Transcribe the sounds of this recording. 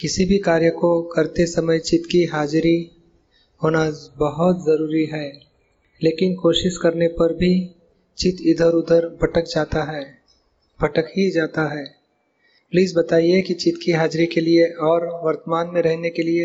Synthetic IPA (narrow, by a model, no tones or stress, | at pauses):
kɪsibʱikaːɾjəkokɐɾt̪esɐməjt͡ʃɪt̪kiɦaːd͡ʒɾi | ɦoːnabɐɦʊt̪zɐɾuːɾiɦɛː | leːkɪnkoːʃɪʃkɐɾnepɐɾbʱi | t͡ʃɪt̪ɪd̪ʱəɾʊd̪ʱəɾbʱɐʈək̚d͡ʒaːt̪aɦɛ | b̥ʱɐʈəkɦid͡ʒaːt̪aɦɛː | pliːzbɐt̪aːiekit͡ʃɪt̪kiɦaːd͡ʒɾikelieʔɔːɾʋɐɾt̪əmaːnmẽɾɛɦnekelie